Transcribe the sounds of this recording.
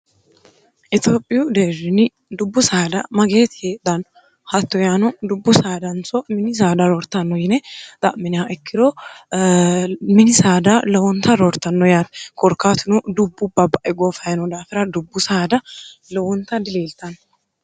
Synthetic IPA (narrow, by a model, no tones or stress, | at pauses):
ʔɪt̪joːpʼːɪjʊd̪eːɾɪnɪ | d̪ʊbːʊsaːd̪ɐ̰mɐɡeːt̪ɪheːd̪ɐnɔ | hɐt̪ːɔjaːnɔd̪ʊbːʊsaːd̪ɐnsɔmɪnɪs̬aːd̪ɐɾɔɾt̪ːɐnːɔjɪnɛt̪ʼɐʔmɪnɪjaʔɛkʰːɪd̪oː | mɪnɪsaːd̪ɐlɐwɔnt̪ːɐɾɔɾt̪ːɐnːɔjaːt̪ɛkɔɾkːaːt̪ʊnɔd̪ʊbːʊbːɐbɐʔɛɡoːfɐjnɔd̪aːfɪɾɐd̪ʊbːʊsaːd̪ɐlɔwɔnt̪ːɐd̪ɪleːlt̪ɐnɔ